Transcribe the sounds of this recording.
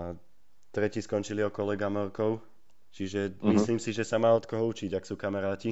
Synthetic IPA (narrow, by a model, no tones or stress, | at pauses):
a | t̪ɾɛciskɔnt͡ʃiliɔkɔlɛɡamɔɾkɔʊ | t͡ʃiʒɛmisliːmsiʒɛsamaːɔt̪kɔɦɔut͡ʃiɟaksuːkamɛɾaːci